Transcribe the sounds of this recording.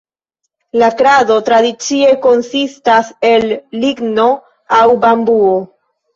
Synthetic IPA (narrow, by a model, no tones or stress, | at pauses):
lakɾado̞tɾadit͡sie̞ko̞nsistase̞lːiɡno̞ | awbambuo